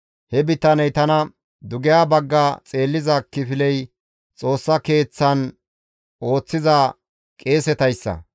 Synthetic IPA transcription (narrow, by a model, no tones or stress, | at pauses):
hɛbɪt̪ːɐnɛjt̪ɐnɐ | d̪ʊɡɪjaːbɐɡːaːt͡sʼe̞ːlːɪzɐkːɪfɪlɛj | t͡sʼo̞ːsːɐke̞ːt͡sːɐn | o̞ːt͡sːɪza | kʼe̞ːsɛt̪ɐjsːɐ̰